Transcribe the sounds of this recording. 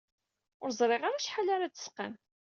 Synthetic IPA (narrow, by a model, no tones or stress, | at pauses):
ʊɾzˤɾˤeʁaɾaʃħalaɾat͡sːə̥sqa̰m